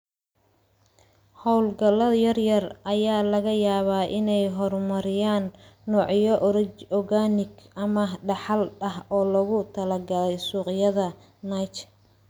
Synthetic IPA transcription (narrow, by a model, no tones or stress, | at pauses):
hɔwlɡɐlɐðjɐrjɐrʔɐjaːlɐɣɐjaːβaːʔɪnɛjɦɔrmɐɾɪjaːnːɔːʕjɔʔɔɣanɪɡɐmɐɖɑħɑlɐɦɔːlɐɣʊt̪ʰɐlɐɡɐlɛjsuːqɪjɐðɐ | najt͡ʃ